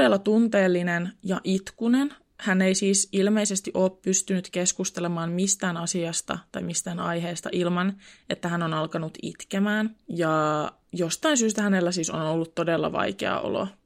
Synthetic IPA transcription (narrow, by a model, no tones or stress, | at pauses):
elːɑt̪unt̪eːlːinenjɑʔit̪kunen | hæneisiːsilme̞isest̪iʔo̞ːppyst̪ynyt̪keskust̪elemɑːmmist̪æːnɑsiɑst̪ɑ̰t̪ɑjmist̪æːnɑjɦeːst̪ɑ̰ʔilmɑne̞t̪ːæɦænonɑlkɑnut̪ḭt̪kemæːnjɑ | jost̪ɑinsyːs̬t̪æhænelːæsiːsonolːut̪ːo̞delːɑ̰ʋɑ̰jkḛɑ̰o̰lo̰